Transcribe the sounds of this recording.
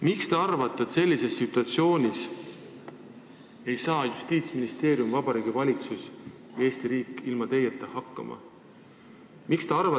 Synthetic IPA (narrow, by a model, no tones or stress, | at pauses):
mikst̪eɑrvɑt̪ːˑet̪se̞lʲːise̞sːit̪ːˑuɑt̪sio̞ːnʲis | e̞jsɑːjust̪iːt̪sminist̪e̞ːɾjumvɑb̥ɑɾiːɡ̥ivɑlʲit̪sus | jɑe̞ːst̪iɾiːkːˑilmɑt̪e̞jet̪ːˑehɑkːɑ̰mʔɑ̰ | mikst̪eɑrvɑ